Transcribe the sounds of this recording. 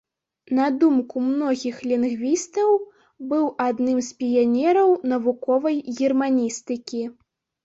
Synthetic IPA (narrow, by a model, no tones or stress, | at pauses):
nɐd̪umkumnɔɣʲixlʲinɣvʲist̪ɐw | bɨwʔad̪nɨmspʲijanʲɛɾɐwnɐvukɔvɐjɣʲirmanʲist̪ɨkʲi